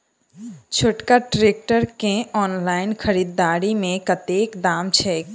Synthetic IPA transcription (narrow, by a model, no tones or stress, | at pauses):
t͡ʃʰoʈkaʈɾeːk̚ʈəɾkẽɔːnlaːɪnkʰəɾiːd̪ːaːɾimẽkət̪eːkd̪aːmt͡ʃʰɛː